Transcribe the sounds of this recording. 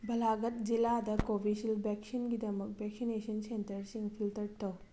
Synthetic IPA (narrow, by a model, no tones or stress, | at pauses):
bɐlaɡɐt̚d͡ʒiladɐkobʱisilbɛksinɡidɐmɐk̚bʱɛk̚sinesɐnsentɐɾsiŋpʰiltɐɾtʰɐw